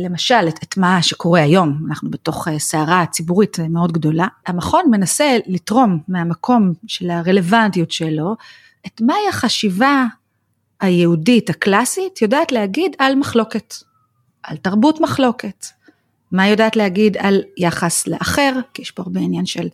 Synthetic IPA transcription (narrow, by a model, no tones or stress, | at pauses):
le̞maʃaleetmaʃeko̞ʁe̞ajo̞manaχnubeto̞χeseaʁat͡sibuʁitmeo̞dɡdo̞laamaχo̞nme̞nase̞litʁo̞mːeamakʰo̞mʃe̞laʁe̞le̞vantijutʃelo̞ | etmaiaχaʃiva | ajeuditaklasitjodaːtlehaɡidalmaχlo̞ke̞t | ʔaltaʁbutmaχlo̞ke̞t | majo̞daːtleaɡidaljaχaslḛʔaχe̞ʁkijeʃb̥oaʁbeinjanʃe̞l